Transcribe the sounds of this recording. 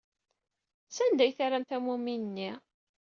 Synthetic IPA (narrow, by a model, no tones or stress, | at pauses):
sænd̪æjθaɾæmt̪æmuminənːi